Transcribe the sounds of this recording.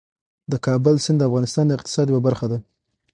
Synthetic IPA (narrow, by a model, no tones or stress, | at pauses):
d̪əkɑbʊlsɪnd̪əafɣɑnɪst̪ɑnd̪əɪq̚t̪ɪ̥sɑd̪jawabaɾxad̪a